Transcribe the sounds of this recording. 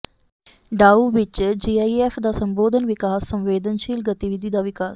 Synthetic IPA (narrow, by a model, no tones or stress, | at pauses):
ɖaːuːʋɪt͡ʃd͡ʒiːaːieːfʰd̪aːsəmboːd̪ʱənʋɪkaːsːə̃mʋeːd̪ʱənʃiːlɡət̪iʋɪd̪ʱiːd̪aːʋɪkaːs